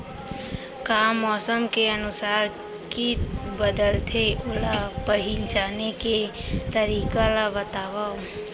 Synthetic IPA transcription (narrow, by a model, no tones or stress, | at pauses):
kaːmːɔːsəmkeənʊsaːɾ | kibəd̪əlt̪ʰeʔʊlapəɦint͡ʃaːneket̪əɾiːkalaʋət̪aːʋao